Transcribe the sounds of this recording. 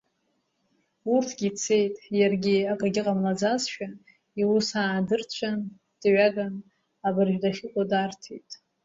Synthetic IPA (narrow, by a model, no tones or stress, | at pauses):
urtʰɡʲit͡sʰe̞jtʼjarɡʲiakʼaɡʲɪqʼamlad͡zazʃᶣa | iwusaːdɨrt͡ɕʷʰan | d̥ɥaɡan | abɨrʒᶣdaχʲɪkʷʼadartʰejtʼ